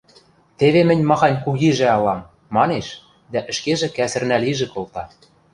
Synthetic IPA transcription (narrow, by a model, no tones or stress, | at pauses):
t̪eβemɘ̆nʲmɑxɑnʲkuɣiʒĕɑlɑmː | ɑneʃ | d̪æʔɘ̆ʃkeʒĕkæsɘ̆rnæliʒĕkolt̪ɑ